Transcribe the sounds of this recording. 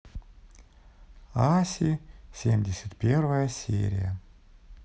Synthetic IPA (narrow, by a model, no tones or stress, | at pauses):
asʲisʲemʲdʲesʲət̪ʲpʲervəjəsʲḛɾʲḭjə